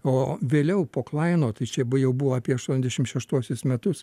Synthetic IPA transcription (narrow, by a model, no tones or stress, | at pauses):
oːʋʲeːlʲɛʊpoːklˠɐɪnoːt̪ɐɪt͡ʃʲɛbjɛʊbʊʋoːɑːpʲiɛɐʃt̪uɔnʲɛzd̪ʲɛʃʲɪmʃʲɛʃt̪uɔsʲʊsmʲɛt̪ʊs